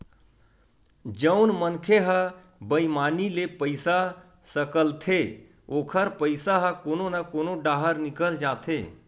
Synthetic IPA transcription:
d͡ʒəʊnmənkʰeɦə | bəimaːnilepəɪsa | səkəlt̪ʰe | oːkʰəɾpəɪsaɦəkoːnonakoːnoɖaːɦəɾnɪkəld͡ʒaːt̪ʰe

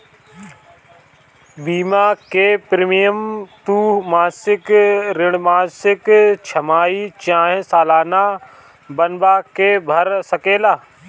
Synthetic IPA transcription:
biːmakepɾɪmijəmt̪uːɦmaːsɪkɾɪɽ̃maːsɪkt͡ʃʰɐmaːit͡ʃãːɦẽsaːlaːna | bɐnbakebʱɐɾsɐkeːlaː

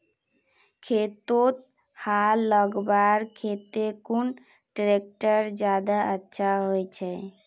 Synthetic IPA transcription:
kʰet̪ot̪̚ | halːəɡbaɾkʰet̪ekun | ʈɾek̚ʈəɾd͡ʒjad̪aətːʃʰaɦojt͡ʃʰɛ

